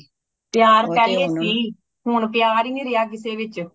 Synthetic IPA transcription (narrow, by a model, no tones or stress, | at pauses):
pɪjaːɾpɛːleːsiː | ɦʊnpɪjaːɾiːniɾɪjaːk̬ɪseːʋɪt͡ʃ